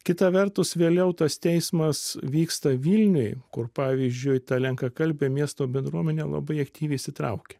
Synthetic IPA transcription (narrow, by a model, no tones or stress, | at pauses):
kʲɪt̪ɐʋʲɛɾt̪ʊsʋʲeːlʲɛʊt̪ɐst̪ʲɛɪsmɐsʋʲiːkst̪ɐʋʲilʲnʲʊɪkʊɾpɑːʋʲiːzʲd͡ʒʲʊɪt̪ɑlʲɛŋkɐkɐlʲbʲemʲiɛst̪oːbʲɛnd̪ɾuɔmʲɛnʲeːlˠɐ̰bɐɪɐkt̪ʲiːʋʲɛɪsʲɪt̪ɾɐ̰ʊkʲe̥